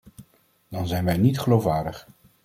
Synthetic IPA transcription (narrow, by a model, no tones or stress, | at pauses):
d̥ɑnzɛjnʋɛjnitχəlowfʋaːɹdəχ